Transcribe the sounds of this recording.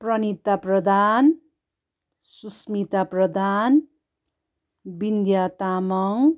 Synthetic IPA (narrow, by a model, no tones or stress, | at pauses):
prʌnit̪aprʌd̪ʱan | susmit̪aprʌd̪ʱan | bind̪jat̪amʌŋ